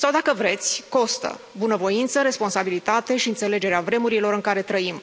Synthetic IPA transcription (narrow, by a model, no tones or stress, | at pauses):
sawd̪akəvɾe̞t̪sʲko̞st̪ə̰ | bunəvo̞int̪səɾe̞spo̞nsabilit̪at̪e̞ʃiɨnt̪se̞le̞d͡ʒe̞ɾeavɾe̞muɾilo̞ɾɨŋkaɾe̞t̪ɾəim